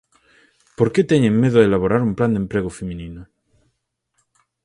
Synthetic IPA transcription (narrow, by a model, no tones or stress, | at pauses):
poɾket̪eɲẽŋmeðoelaβoɾaɾumpland̪empɾeɣofemĩnino